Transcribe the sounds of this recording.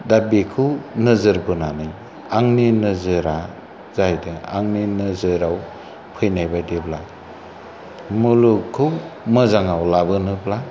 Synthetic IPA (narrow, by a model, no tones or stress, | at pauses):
dabikʰɯwnɯzɯɾbɯnanɯj | aŋninɯzɯɾa | zajdɯa̰ŋninɯzɯɾaw | pʰɯjnajbajdebla | mulukʰːɯwmɯzaŋawlabɯnɯbla